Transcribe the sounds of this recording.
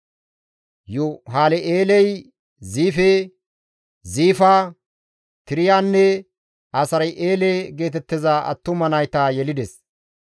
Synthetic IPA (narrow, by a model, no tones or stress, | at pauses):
jʊɦaːlɛʔeːlɛj | ziːfeː | ziːfaː | t̪ɪɾɪjaːnːɛ | ɐsɐɾɐjʔeːleːɡe̞ːt̪ɛt̪ːɪzaɐ̰t̪ːʊmɐnɐjt̪aːjɛlɪd̪ɛs